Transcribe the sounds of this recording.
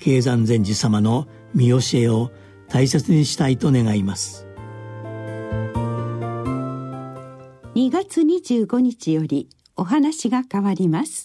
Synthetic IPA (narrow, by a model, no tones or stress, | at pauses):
kʰe̞ːzãnd͡zẽ̞ɲ̟d͡ʑisamano̞ | mʲio̞ɕie̞o̞ | t̪aise̞t͡sɨɲ̟iɕi̥t̪ait̪o̞ne̞ɡaimasɨ̥ | ɲ̟iɡat͡sɨɲ̟iʑɨːɡo̞ɲ̟it͡ɕijo̞ɾʲi | o̞ɦanaɕiɡakaβaɾʲimasɨ̥